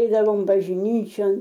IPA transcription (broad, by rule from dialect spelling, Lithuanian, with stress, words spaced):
ˈɛɪdɐʋoːm bɐʒʲˈnʲiːt͡ʃʲoːn